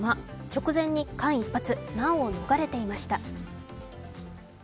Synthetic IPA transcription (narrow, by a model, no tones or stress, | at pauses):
mat͡ɕo̞kɯ̟zẽ̞ɲ̟ːikãɰ̃ipːat͡sɨnãoːno̞ɡaɾe̞t̪e̞imaɕi̥t̪a